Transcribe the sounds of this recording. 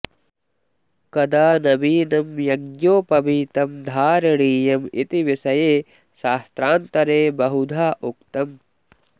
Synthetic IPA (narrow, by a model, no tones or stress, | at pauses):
kɐd̪aːnɐbiːnɐmjɐɡjoːpɐbiːt̪ɐmd̪ʱaːɾɐɽiːjɐmḭt̪iʋisɐjeː | ʃaːst̪ɾaːnt̪ɐɾeːbɐɦud̪ʱaːʔukt̪ɐm